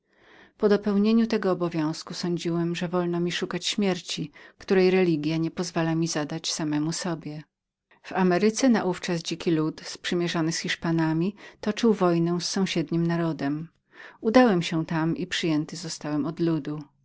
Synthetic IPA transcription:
pɔd̪ɔpɛwɲeɲut̪ɛɡɔːbɔvʲjɔ̃w̃skusɔ̃ɲd͡ʑiwɛmʐɛvɔlnɔmʲiʂukat͡ɕɕmʲjɛɾt͡ɕikt̪uɾɛjɾɛlʲiɡʲjaɲɛpɔzvalamʲizad̪at͡ɕsamɛmusɔbʲjɛ | v̥amɛɾɘt̪sɛnaʔuft͡ʂasd͡ʑikʲilut̪spʂɘmʲjɛʐɔnɘsxʲiʂpanamʲit̪ɔt͡ʂɘwvɔjnɛw̃sːɔ̃w̃ɕɛd̪ɲimnaɾɔd̪ɛm | ud̪awɛmɕɛt̪amʔipʂɘjɛnt̪ɘzɔst̪awɛmɔd̪lud̪u

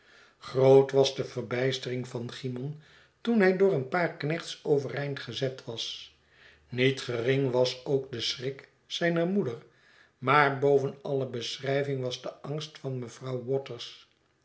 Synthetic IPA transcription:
χrowtʋɑzdəvərbɛjstərɪŋvɑnχimɔn | tunɦɛjdʊːrənpaːɹknɛχtsowvərɛjntχəzɛtʋɑs | nitχərɪŋʋɑsowk̚dəsrɪk | sɛjnəɹmudər | maːɹbowvənɑləbəsrɛjvɪŋʋɑzdəɑŋstfɑnməv̥rɑwwɔtəɹs

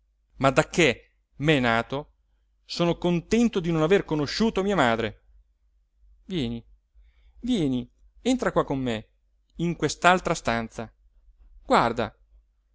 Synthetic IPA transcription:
mad̪akːe | mɛnaːt̪o | soːnokont̪ɛnt̪od̪inonaverkonoʃːuːt̪omiːamaːd̪ɾe | vjɛːni | vjɛːni | ent̪ɾakwakːomːe | iŋkwest̪alt̪ɾast̪ant̪sa | ɡ̥ward̪a̰

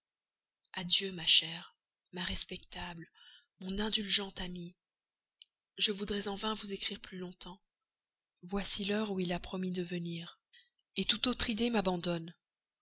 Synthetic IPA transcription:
ad̪jømaʃɛʁ | maʁɛspɛkt̪abləmɔ̃nɛ̃d̪ylʒɑ̃t̪ami | ʒəvud̪ʁɛzɑ̃vɛ̃vuzekχiʁplylɔ̃t̪ɑ̃ | vwasilœʁuilapχɔmid̪əvəniːʁ | et̪ut̪ot̪χid̪emabɑ̃d̪ɔn

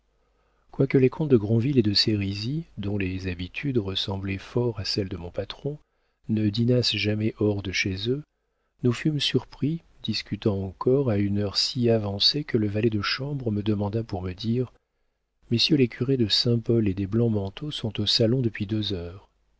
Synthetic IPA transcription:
kwakəlekʰɔ̃t̪̚d̪əɡʁɔ̃viled̪əseʁizid̪ɔ̃lezabit̪ʰyd̪ʁəsɑ̃blɛfɔʁasɛld̪əmɔ̃pat̪χɔ̃ | nəd̪inasʒamɛʔɔʁd̪əʃezø | nufymsyʁpχi | d̪iskʲyt̪ɑ̃ɑ̃kɔʁaynœʁsiavɑ̃sekələvalɛd̪əʃɑ̃bʁəməd̪əmɑ̃d̪apuʁməd̪iʁ | mesjølekʲʰyʁed̪əsɛ̃pɔled̪eblɑ̃mɑ̃t̪ʰosɔ̃t̪osalɔ̃d̪əpɥid̪øzœːʁ

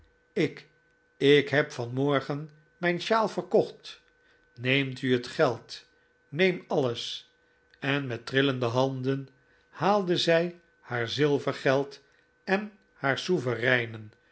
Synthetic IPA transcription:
ɪk | ɪkɦɛpfɑnmɔɹχən | mɛjnʃaːlˠfərkɔχt | nejmtyətχɛlˠt | nejmɑləs | ɛnmɛt̚rɪləndəɦɑndən | haːlˠdəzɛj | haːɹzɪlˠvərχɛlˠt | ɛn | haːɹsuvərɛjnən

